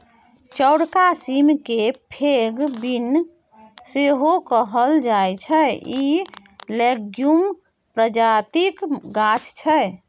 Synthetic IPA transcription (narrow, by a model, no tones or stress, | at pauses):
t͡ʃəwɽkasimkepʰeɡbin | seɦokəɦəld͡ʒajt͡ʃʰəi | leɡjum | pɾəd͡ʒat̪ikɡat͡ʃʰt͡ʃʰəj